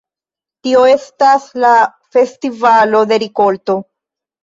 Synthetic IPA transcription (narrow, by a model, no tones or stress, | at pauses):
tio̞e̞stasla | fe̞stivalo̞d̪e̞ɾiko̞lto̞